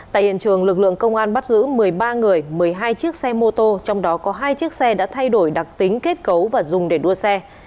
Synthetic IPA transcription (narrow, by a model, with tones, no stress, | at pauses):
t̪a̰ː˧˨ʔhḭ˧ənt͡ɕɨ˨˩əŋlɨ˨˩k̚lɨ̰˧˨əŋkə˧wŋ͡mʔaː˧nɓa˦˥t̚zɨ̰˧˥mɨ˨˩əjɓaː˧ŋɨ˨˩əjmɨ˨˩əjɦaː˧jt͡ɕi˦˥ək̚sɛ˧mo˧t̪o˧t͡ɕɔ˧wŋ͡mɗɔ˨˦kɔ˨˦ɦaː˧jt͡ɕi˦˥ək̚sɛ˧ɗa̰ː˧˥t̪ʰa˧jɗo˧˩jɗa˨˩k̚t̪ï˨˦ŋ̟ke˦˥t̚kə˨˦wvaː˨˩zʊ˨˩ŋ͡mɗe˧˩ɗu˧əsɛ˧